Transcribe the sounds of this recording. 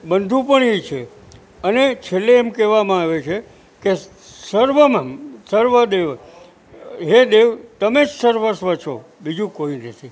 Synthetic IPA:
bənd̪ʱũpəɳet͡ʃʰe | ənet͡ʃʰelːeːmkɛʋamãaʋet͡ʃʰe | ke | səɾʋəmasəɾʋəd̪eʋ | ɦed̪eʋt̪əmed͡ʒsəɾʋəsʋət͡ʃʰo | bid͡ʒũkoinət̪ʰi

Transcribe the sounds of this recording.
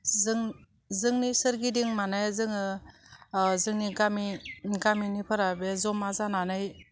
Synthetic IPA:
zŋ | zɯŋnisɯɾɡidiŋmanajzɯŋɯ | zɯŋniɡamiɡaminipʰɯɾabezɔmazananɯj

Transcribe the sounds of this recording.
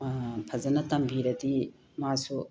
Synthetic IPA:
pʰɐzɐnɐtɐmbiɾɐti | masu

